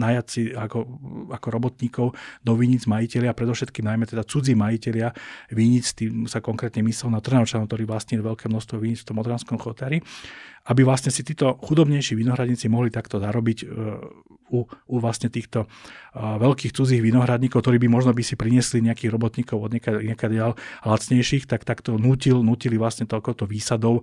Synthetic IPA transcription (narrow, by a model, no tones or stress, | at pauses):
najat͡siakɔakɔɾɔbɔt̪ɲiːkɔʊd̪ɔʋiɲid͡zmajicɛlɪapɾɛd̪ɔfʃɛt̪kiːmnajmɛt̪ɛd̪at͡sud͡ziːmajicɛlɪaʋiɲit͡st̪iːmsakɔŋkɾɛːt̪ɲɛmislɔʊnat̪r̩nɛɔt͡ʃanɔkt̪ɔɾiːʋlasɲiːlʋɛlkɛːmnɔʃst̪ʋɔʋiɲit͡sft̪ɔmɔd̪ɾanskɔmxɔt̪aɾiabiʋlast̪ɲɛsit̪iːt̪ɔxud̪ɔbɲɛjʃiːʋinɔɦɾad̪ɲit͡simɔɦlit̪akt̪ɔzaɾɔbiɟ | uuʋlasɲɛt̪iːxt̪ɔ | ʋɛlkiːxt͡sud͡ziːɣʋinɔɦɾad̪ɲiːkɔʊkt̪ɔɾiːbimɔʒnɔbisipɾiɲɛsliɲɛakiːɣɾɔbɔt̪ɲiːkɔʊɔd̪ɲɛkaɲɛkad̪alɦlat͡sɲɛjʃiːxt̪akt̪akt̪ɔnuːcilnuːcilivʋlast̪ɲɛt̪ɔkɔʊt̪ɔʋiːsad̪ɔʊ